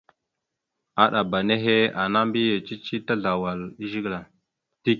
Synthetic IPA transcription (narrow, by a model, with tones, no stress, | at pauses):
a˨ɗa˨ba˨ne˦ɦe˦a˨na˦mbi˦je˨t͡ʃi˦t͡ʃi˦ta˦ɮa˨wa˨li˦ʒi˦ɡla˨ | ti˦k̚